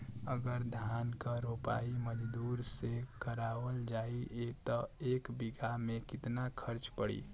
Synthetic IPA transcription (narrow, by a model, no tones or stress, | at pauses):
əɡəɾd̪ʱjankəɾopa̰iməd͡ʒd̪uɾsekəɾaʋəld͡ʒaiet̪ɔekbiɡamekɪt̪nakʰəɾt͡ʃpəɽḭ